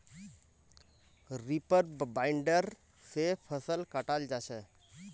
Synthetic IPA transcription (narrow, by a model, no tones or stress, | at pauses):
ɾipəɾbbaɪɳɖəɾ | sepʰəsəlkəʈald͡ʒat͡ʃʰɛ